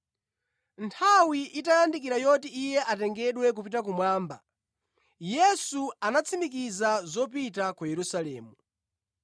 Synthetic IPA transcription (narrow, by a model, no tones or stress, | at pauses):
ntʰawiʔitajandik̬iɾajɔtiijɛʔatɛŋɡɛɗwɛk̬upitak̬umwaːmba̰ | jɛsuanat͡sʰimik̬izazɔp̬itakujɛɾusalɛ̰ːmu